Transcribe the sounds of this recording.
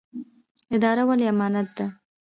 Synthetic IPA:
ɪd̪ɑɾawaleamɑnat̪̚d̪a

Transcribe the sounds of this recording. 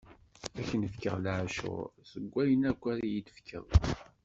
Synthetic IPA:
æçənəfkə̰ʁlʕʃʊ̰ʁsəɡʷːæjənækʷːæɾijit̪ə̥fkʰə̰ðˤ

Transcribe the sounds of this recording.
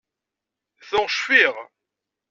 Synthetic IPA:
θʊʁʃfiʁ

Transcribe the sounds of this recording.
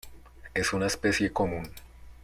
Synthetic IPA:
e̞sunaespesje̞komũn

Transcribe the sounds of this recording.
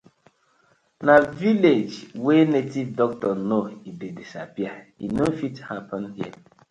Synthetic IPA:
naviled͡ʒwenetivdɔk̚tɔnoidedisa̰piainofithapɔ̃nɦi

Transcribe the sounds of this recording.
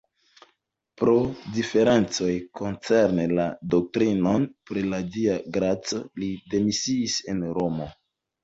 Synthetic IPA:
pɾo̞dife̞ɾe̞nt͡so̞jko̞nt͡se̞ɾnelado̞k̚tɾino̞npɾilad͡ʒiaɡɾat͡solide̞misiːse̞nɾo̞mo̞

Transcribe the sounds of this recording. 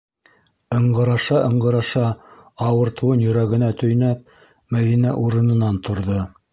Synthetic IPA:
ɤ̆ɴɢɤ̆ɾɑʃɑʔɤ̆ɴɢɤ̆ɾɑʃɑɑwɤ̆ɾt̪ɤ̆wɤnjɵ̆ɾæɣɘ̆næt̪ɵ̆jnæp̚ | mæðinæʔuɾɤ̆nɤ̆nɑnt̪ŏɾðo

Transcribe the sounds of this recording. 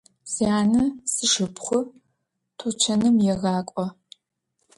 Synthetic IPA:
siaːnɐsɨʂɨpχʷʊ | tʰut͡ʃʰɐnɨmjɛʁɑːkʷʼɔ

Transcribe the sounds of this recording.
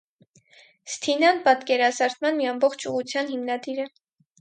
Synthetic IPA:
st̪ʰinɑnpɑt̪kɛɾɑsɑɾt͡s̪mɑnmiɑmbɔχt͡ʃʰuʁut͡sʰjɑnhimnɑd̪iɾə

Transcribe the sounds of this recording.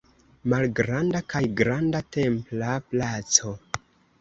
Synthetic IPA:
malɡɾandakajɡɾandate̞mplaplat͡so̞

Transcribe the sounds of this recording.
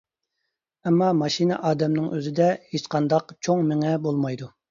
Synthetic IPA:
ɛmːɑmɑʃinɨ̰ʔɑːd̪ɛmnɪŋʔøzɪd̪ɛhet͡ʃqʰɑnd̪ɑqt͡ʃʰoŋmɪŋɛbolˠmɑjd̪u

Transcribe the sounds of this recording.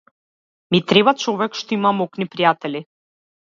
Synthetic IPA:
mit̪ɾɛbat͡ʃɔvɛkʃt̪ɔimamɔknipɾijat̪ɛli

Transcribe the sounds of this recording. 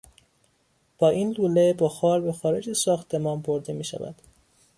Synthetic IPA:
b̥ɒːʔiːnluːlebɒxɒːɾbexɒːɾe̞d͡ʒæsɒːxt̪ʰe̞mɒːnboɾd̪emiːʃæ̰væ̰d̪̥

